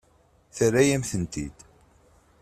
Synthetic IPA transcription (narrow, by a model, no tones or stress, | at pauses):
θərːæjæmθənt̪ḭd̪̥